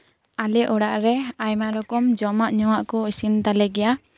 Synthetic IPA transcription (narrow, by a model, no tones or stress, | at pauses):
alɛʔɔɽaʔɾɛajmaɾɔkɔmd͡ʒɔmaʔɲɔwaʔkɔisint̪alɛɡɛja